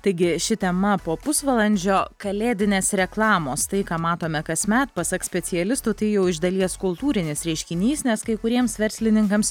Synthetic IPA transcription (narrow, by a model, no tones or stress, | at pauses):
t̪ɐɪɡʲɪʃʲɪt̪ʲɛmɐpoːpʊsʋɐlˠɐnʲd͡ʒʲoːkɐlʲeːd̪ʲɪnʲeːsɾʲɛklˠɑːmoːst̪ɐɪkɑːmɑːt̪oːmʲɛkɐsʲmʲɛt̪pɐsɐksʲpʲɛt̪sʲɪɛlʲɪst̪ʊt̪ɐɪjɛʊɪʒd̪ɐlʲiɛskʊlˠt̪uːɾʲɪnʲɪsɾʲɛɪʃʲkʲɪnʲiːsnʲɛskɐɪkʊɾʲiɛmsʋʲɛɾʲsʲlʲɪnʲɪŋkɐms